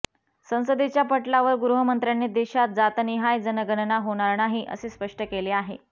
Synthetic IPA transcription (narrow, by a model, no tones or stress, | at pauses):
sə̃w̃səd̪et͡ɕjapəʈlaʋəɾɡɾuɦəmənt̪ɾjanːed̪eɕat̪̚d͡zat̪niɦajd͡zənəɡənnaɦoɽ̃aɾnaɦiʔə̰sespəʂʈəkeleaɦe